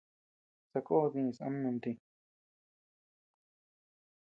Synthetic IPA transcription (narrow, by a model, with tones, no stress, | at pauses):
sa˧ko˦˧ðĩ˧sã̰˦mũ˧nd̪ĩ˧